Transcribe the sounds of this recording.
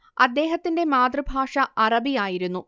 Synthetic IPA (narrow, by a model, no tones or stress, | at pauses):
ɐd̪ːe̞ːɦɐt̪ːinde̞maːd̪rɨbʱaːʂɐʔɐrɐbijaːjiɾunːu